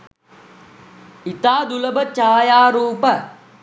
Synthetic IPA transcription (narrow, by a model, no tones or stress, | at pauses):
it̪aːd̪uləbət͡ʃaːjaːɾuːpə